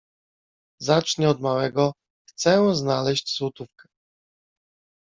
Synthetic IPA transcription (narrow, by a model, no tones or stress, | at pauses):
zat͡ʂɲɛɔd̪mawɛɡɔ | xt̪sɛznalɛɕt͡ɕswɔt̪ufkɛ̥